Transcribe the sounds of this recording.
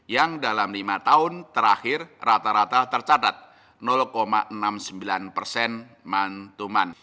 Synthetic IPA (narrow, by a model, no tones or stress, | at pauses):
jaŋdalamlimat̪aʊnt̪əɾaxɪrrat̪aɾat̪at̪ərt͡ʃat̪at̪̚ | nɔlkoma̰ʔənamsəmbilanpərsɛn | mant̪uman